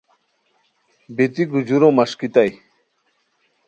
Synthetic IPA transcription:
bit̪iɡud͡ʑuɾomɐʂkit̪aj

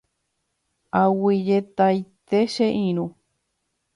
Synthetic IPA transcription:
awid͡ʒet̪ajt̪eʃeʔĩɾ̃ũ

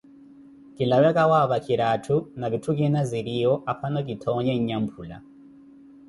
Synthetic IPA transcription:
kilawɛkawaβakiɾatʰunaβitʰukinaziɾiɔʔapʰanɔk̬itʰɔɲɛɲɲam̩pʰula̰

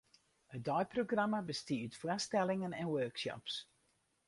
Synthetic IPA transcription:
ədɔjproɡramabəstitflastɛlɪŋənɛnwøːkʃɔ̰ps

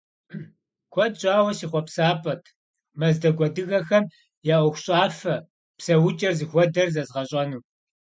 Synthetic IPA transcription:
kʷʰɔd̚t͡ʃʼaːwɐɕiχʷɔpsaːpʼɐtʰ | mɐzdɐɡʷɔdɨɣɐxɐm | jaʔʷʊxʷɕʼaːfɐ | psɐwʊt͡ʃʼɐrzɨxʷɔdɐrzɐzʁɐɕʼɐnuː

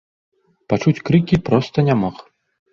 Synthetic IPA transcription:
pat͡ʂut͡sʲkɾɨkʲipɾɔst̪ɐnʲamɔx

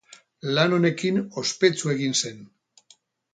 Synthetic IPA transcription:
lano̞ne̞kino̞spe̞t͡sue̞ɣinse̞n

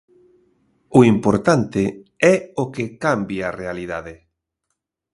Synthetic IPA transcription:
ʊimpoɾt̪ant̪ɪɛokekambjarealiðaðe

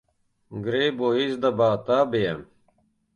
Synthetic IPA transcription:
ɡɾeboisd̪ɐbaːt̪aːbejam

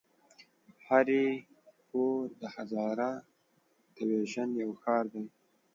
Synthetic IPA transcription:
haɾe | pod̪əhazɑɾa | t̪əweʒanjawxɑːɾd̪aj

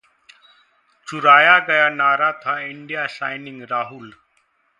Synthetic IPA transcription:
t͡suɾaːjaɡɐjanaːɾat̪ʰaiɳɖijasajniŋɡɾaːɦul

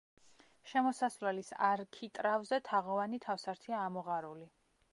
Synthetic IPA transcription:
ʃɛmɔsasvlɛlisa̰ɾkʰit̪ʼɾavzɛt̪ʰaʁɔvanit̪ʰafsaɾt̪ʰiaːmɔʁaɾuli

